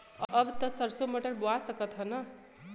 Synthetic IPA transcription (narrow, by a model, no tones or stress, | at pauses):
ʌbt̪ʌsʌɾsoməʈəɾboasʌkʌt̪ɦʌnʌ